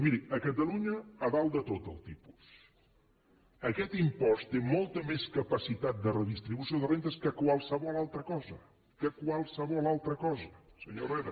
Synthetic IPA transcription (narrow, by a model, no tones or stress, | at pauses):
miɾiəkət̪əluɲəːðalˠd̪ət̪ot̪ə̰lˠt̪ipu̥s | əkɛt̪impɔst̪emɔlˠt̪əmeskəpəsit̪at̪̚d̪ərəðist̪ɾiβusioðərent̪əskəkwalˠsəβɔlalˠt̪ɾəkɔzə̰ | kəkwalˠsəβɔlalˠt̪ɾəkɔzəsəɲoreðe